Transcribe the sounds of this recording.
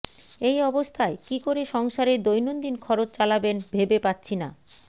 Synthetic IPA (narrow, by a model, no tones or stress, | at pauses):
ejɔbost̪ʰaekikoɾeʃɔŋʃaɾeɾd̪ojnond̪inkʰɔɾot͡ɕt͡ɕalabenbʱebepatːɕʰina